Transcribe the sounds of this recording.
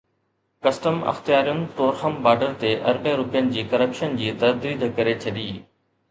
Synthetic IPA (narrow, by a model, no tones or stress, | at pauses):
kɐsʈəmɐ̰xt̪ijaːɾijʊnɪ̆t̪oːɾxəmbaːɖəɾt̪eʔɐ̰ɾbẽɾʊpijənɪ̆d͡ʑiːkɐɾəpʃənd͡ʑiːt̪ɐd̪ɾiːd̪ʱkɐɾet͡ɕʰɐɗiː